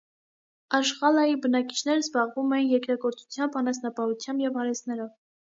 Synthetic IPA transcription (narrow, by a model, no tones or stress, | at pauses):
ɑʃχɑlɑjibənɑki̥t͡ʃʰnɛɾəzbɑʁvumɛjinjɛkɾɑɡɔɾt͡sʰu̥t͡sʰjɑmbɑnɑsnɑpɑhut͡sʰjɑmbjɛvhɑɾɛsnɛɾɔv